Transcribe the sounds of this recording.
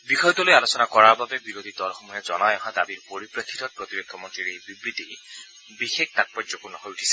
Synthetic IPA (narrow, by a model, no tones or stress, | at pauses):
bixɔjɔt̪ɔlojalosɔnakɔɹaɹbabebiɾod̪ʱid̪ɔlɔxɔmɔjɔzɔnajɔɦad̪abiɹpoɾipɹakʰːit̪ɔk̚pɹot̪iɾot̪ʰːɔmɔntɹiɾejbibɾit̪i | bixek̚t̪at̚pɔzɔkunɔɦojuʈʰi̥se̥